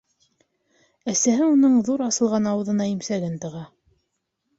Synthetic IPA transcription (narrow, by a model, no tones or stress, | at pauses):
æsæɦɘunɤɴðuɾɑsɤ̆lˠʁɑnɑwɤ̆ðɤ̆nɑimsæɡɘnt̪ɤ̆ʁɑ